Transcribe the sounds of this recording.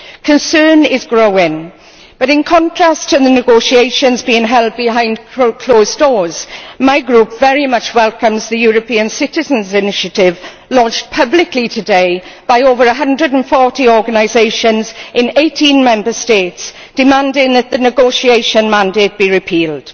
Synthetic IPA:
kʰə̃nsɜːnɪzɡɹoʊɪ̃ŋ | b̥ʌɾɪ̃nkʰɒ̃ntʰɹ̥astʰəðənɪɡoʊʃieɪʃə̃nzbiːɪ̃ŋɦɛlˠd̚bɪhãɪ̃ndkʰl̥oʊz̥dɔːz̥maɪɡɹuˑpv̥ɛɹimʌt͡ʃwɛlˠkə̃mzðəjuːɹəpʰiə̃nsɪtɪzə̃nzɪnɪʃətɪv | lɔd͡ʒ̚pʰʌblɪklitʰədeɪb̥aɪoʊvəɹəɦʌ̃ndɹədə̃n̩fɔˑtiɔːɡənaɪzeɪʃə̃nzɪ̃neɪtʰĩnmɛ̃mbəsteɪts | d̥ɪmãndɪ̃ŋðət̪̚ðənɪɡoʊsieɪʃə̃nmãndeɪt̚b̥iɹɪpʰiːlˠd̥

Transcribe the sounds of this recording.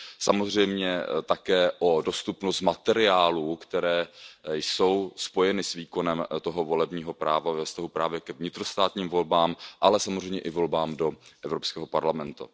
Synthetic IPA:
samo̞zr̝ɛjmɲɛt̪akɛːʔo̞do̞st̪upnost̪mat̪ɛɾɪaːluːkt̪ɛɾɛːjso̞wspo̞jɛnɪsviːkonɛmt̪o̞ɦo̞vo̞lɛbɲiːɦo̞pɾaːvavɛfst̪aɦupɾaːvjɛkɛvɲɪt̪ɾost̪aːt̪ɲiːmvo̞lbaːmʔalɛsamozrɛjmɲɛʔɪvo̞lbaːmdo̞ʔɛvɾopskɛːɦo̞paɾlamɛnt̪ṵ

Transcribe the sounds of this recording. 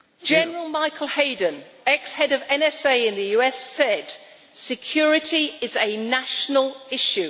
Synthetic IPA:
d̥ʒ̥ɛnəɹəlˠmaɪkʰəlˠheɪdə̃n | ɛkshɛdəvɛ̃nɛseɪɪ̃nðəjʉɛsɛd̥ | sɪkʰj̥ɔːɹɪtʰiɪzənaʃənəlˠɪʃʉ

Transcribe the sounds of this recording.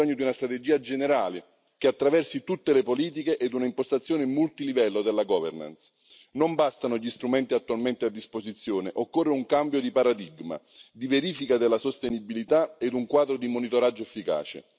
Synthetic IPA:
ɔɲːod̪iunast̪ɾat̪ed͡ʒiːad͡ʒeneɾaːlɪ | k̟eat̪ːɾavɛrsit̪ut̪ːelepoliːt̪̬ikeʔɛd̪ːunaimpost̪at̪sːjoːneimːult̪ilivɛlːod̪elːaɡɔːvḛrna̰ns | nombast̪anoʎist̪ɾumɛnt̪iat̪ːualment̪ead̪ːispozit̪sːjoːneʔokːorːeuŋkambjod̪ipaɾad̪iɡma̰ | d̪iveɾiːfikad̪elːasost̪enibilit̪aed̪uŋkwaːd̪ɾod̪imonit̪oɾad͡ʒːoefːika̰ːt͡ʃḛ

